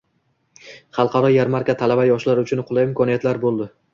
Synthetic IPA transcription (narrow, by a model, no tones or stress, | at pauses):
χɑlˠqʰɑɾɒjaɾmaɾkʲat̪ʰalabajɒʃlaɾʊt͡ʃʰʊnqʰʊlˠajɪmkʰɒnijat̪laɾbolˠd̪ɪ